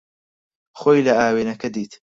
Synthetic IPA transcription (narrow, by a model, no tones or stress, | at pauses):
xoːjlɐaːweːnɐkʰɐd̪iːt̪